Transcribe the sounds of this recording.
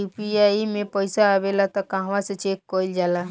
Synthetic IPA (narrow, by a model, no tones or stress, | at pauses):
upiaimẽpəɪsaːbelat̪ɔkãɦʋãsẽt͡ʃekːɔild͡ʒaːla